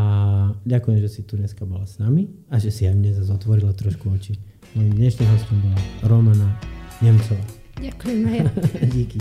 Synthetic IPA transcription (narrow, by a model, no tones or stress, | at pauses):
aɟakujɛmʒɛsit̪uɲɛskabɔlasnami | aʒɛsiajmɲɛzazɔt̪ʋɔɾilat̪ɾɔʃkuɔt͡ʃi | nɔimɲɛʃnimɦɔstɔmbɔlaɾɔmanaɲɛmt͡sɔʋaː | ak | ɟiki